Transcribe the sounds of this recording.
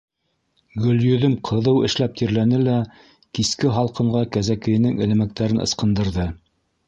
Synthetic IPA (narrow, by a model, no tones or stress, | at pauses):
ɡɵ̆ljɵ̆ðɵmqʰɤ̆ðɤwɘ̰̆ʃlæp̚t̪ʰiɾlænɘlæ | kiskɘɦɑlˠqɤ̆ɴɢɑkæzækɘ̆jɘ̆nɘŋɘ̆lɘ̆mæk̚t̪æɾɘnɤ̰̆sqɤ̆nd̪ɤ̆ɾðɤ